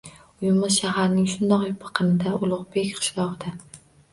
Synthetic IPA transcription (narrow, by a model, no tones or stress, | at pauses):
ʊjɪmʊzʃaɦaɾnɪŋʃʊnd̪ɒqjʊpʰɑ̥qʰɨnɪd̪aʔʊlˠʊʁbe̞kʲqʰɨ̥ʃlˠɒʁɨd̪a